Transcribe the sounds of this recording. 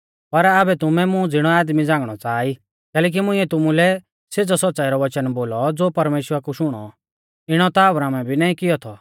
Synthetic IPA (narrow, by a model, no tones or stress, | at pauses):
pɐɾaːbɛt̪ʊmɛ̃mũd͡zɪɽ̃ɔaːd̪mid͡zãːŋɡɽ̃ɔt͡saːi | kɛːlɛːk̬imʊ̃ĩːɛt̪ʊmulɛ | sed͡zɔsɔtːsaːiɾɔʋɐt͡ʃənboːlɔd͡zoːpɐɾmeːʃwəɾakuʃʊɽ̃ɔ̰ | ɪɽ̃ɔt̪aːʋɾaːmɛbʱinaːĩkɪjɔt̪ʰɔ